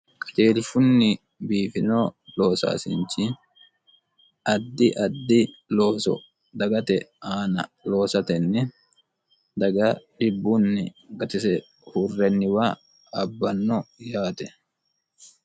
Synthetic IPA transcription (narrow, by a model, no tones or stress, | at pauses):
kʼɐ̥t͡ʃeːlɪfʊnːɪ | biːfɪnoːloːsa̰ːsɪ̰nt͡ʃi | ʔɐd̪ːɪʔɐd̪ːɪ | loːsɔ̰ | d̪ɐɡɐt̪ɛaːnɐloːsɐt̪ɛnːɛ | d̪ɐɡɐᶑɪbːʊnːɪɡɐt̪ɪsɛ | hurːɛnːɪwaː | ɐbːɐnːɔjaːt̪ɛ